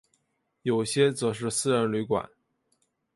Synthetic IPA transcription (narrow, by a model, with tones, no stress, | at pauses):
jo˨˩ʊɕjɛ˥t͡sɤ˨˩ʂ̬ɻ̩˥˧sɹ̩˥˧ɻə˧˥nly˧˥kwa̰˨˩˦n